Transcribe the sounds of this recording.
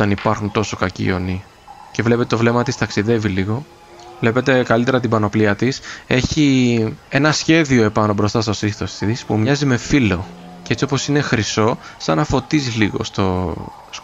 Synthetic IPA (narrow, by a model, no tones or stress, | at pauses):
ɐnipɐɾxunt̪o̞so̞kɐcḭo̞̰ni | ce̞vle̞peet̪ovle̞mɐt̪ist̪ɐksiðe̞viliɣo̞ | vle̞pe̞t̪e̞kɐlit̪e̞ɾɐt̪ibɐno̞pliɐt̪ise̞çie̞nɐsçe̞ðio̞epɐno̞bɾo̞st̪ɐst̪o̞siθo̞sit̪ispumɲɐzime̞filo̞ | ceet͡sio̞po̞sine̞xɾiso̞sɐnɐfo̞t̪iziliɣo̞̰st̪o | s